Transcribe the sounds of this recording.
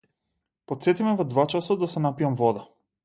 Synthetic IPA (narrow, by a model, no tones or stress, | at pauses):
pɔt̪sɛt̪imɛvɔd̪vat͡ʃasad̪asɛnapijamvɔd̪a